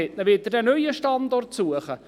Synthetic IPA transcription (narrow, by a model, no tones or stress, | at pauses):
ɛtnəʋɪt̚dədɛnœjəʃtɑnd̪ɔrtsuəχə